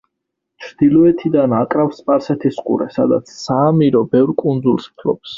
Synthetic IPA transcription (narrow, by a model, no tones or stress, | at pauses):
t͡ʃʰɾd̪̥ilɔɛt̪ʰid̪anakʼɾafspʼaɾsɛt̪ʰisqʼṵɾɛ̰sad̪a̰t̪sʰsaːmiɾɔbɛvɾkʼund̪zulˠspʰlɔ̰ps